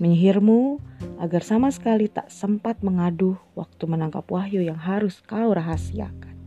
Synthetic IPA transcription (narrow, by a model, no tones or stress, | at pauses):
məɲəɦɪrmuʔaɡarsamasə̥kalit̪a̰ʔsəmpat̪̚məŋadʊhwak̚t̪umənaŋkapwahjujaŋɦaɾʊskauɾaɦasia̰kḁn